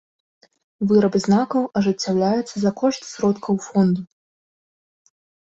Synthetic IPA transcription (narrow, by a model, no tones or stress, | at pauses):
vɨɾɐbɨznakɐwɐʐɨt͡sʲːawlʲajɛt̪sːɐzɐkɔʂt̪ʲsʲɾɔt̪kʰɐwfɔnd̪u